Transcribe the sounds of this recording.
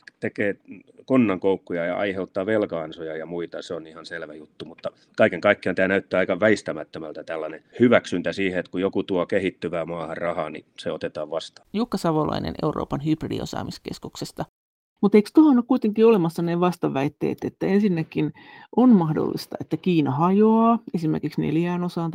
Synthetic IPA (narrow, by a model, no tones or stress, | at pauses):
t̪ekeːkonːɑŋkoukːujɑjɑ̰ɑ̰iheut̪ːɑːʋelkɑɑnsojɑjɑmuit̪ɑseonihɑnselʋæjut̪ːumut̪ːɑ | kɑikeŋkɑikːiɑnt̪æːnæyt̪ːæːɑikɑʋæist̪æmæt̪ːømælt̪æt̪ælːɑnehyʋæksynt̪æsiːheet̪kujokut̪uokehit̪ːyʋæːmɑːhɑrrɑhɑːnḭseot̪et̪ɑːʋʋɑst̪ɑ̥jukːɑsɑʋolɑ̰inḛnḛuro̰ːpɑnhybridḭo̰sɑ̰ːmiskḛskuksest̪ɑ | mut̪eikst̪uhonːukuit̪eŋkiolemɑsːɑneʋɑst̪ɑʋæit̪ːḛːt̪et̪ːæensinːækinʔonmɑhdo̰lːḭst̪ɑet̪ːækiːnɑhɑjoɑːesimerkiksnḛljæːnosɑnt̪